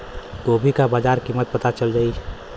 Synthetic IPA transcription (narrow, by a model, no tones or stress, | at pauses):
ɡoːbʱikabaːd͡ʒaːɾkimət̪̚pət̪at͡ʃəld͡ʒaːi